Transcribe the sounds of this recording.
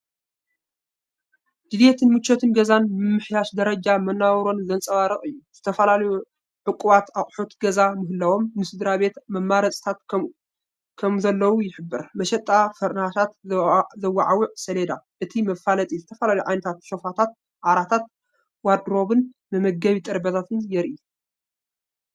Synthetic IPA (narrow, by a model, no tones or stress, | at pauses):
d̪̥ɨd̪jet̪ʰɨnmɨt͡ʃʰːot̪ʰɨnɡɐzanmɨmːɨħjaʃd̪ɐɾɐd͡ʒamɐnːawɾo̞nzɐnsʼɐβaɾɨχʼɨjːuz̥ɨt̪ʰɐfɐlalɐju | ʕɨkʼːuβat̪aχʼħot̪ɡɐzamɨɦɨlːawo̞mːɨsɨd̪ɾaβe̞t̪mɐmːaɾɐt͡sʼt̪ʰat̪ | kʰɐmzɐlːɐwujɪħɨbːɨɾmɐʃɛt̪ʼːafɐɾnatat̪zɐwːaʕawʊʕsɐled̪aʔɨt̪ʰimɐfalɐt̪ʼizɨt̪ʰɐfɐlalɐjuʕajnɐt̪ʰat̪ʃo̞fat̪ʰat̪̚ | ʕaɾat̪ʰat̪̚ | wad̪ɾo̞βɨn | nɨmɐɡɐβit̪ʼɐɾbɐt̪ʰat̪ʰɨnjɛɾʔi